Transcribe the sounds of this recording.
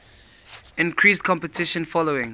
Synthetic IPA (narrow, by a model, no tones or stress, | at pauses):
ɪ̃nkʰɹiskʰɔ̃mpətʰɪʃə̃nfɔloɪ̃ŋ